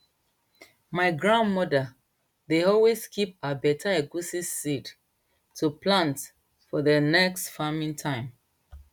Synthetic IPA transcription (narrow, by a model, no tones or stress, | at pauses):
maɪɡɹãndmɔda | deɔlweskip̚abɛtʰaɛɡusisːid | tʰuplãnt | fɔðənɛkstfamĩntʰãɪ̃m